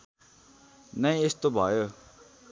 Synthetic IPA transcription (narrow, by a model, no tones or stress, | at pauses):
nəĩɪst̪obʱaːjo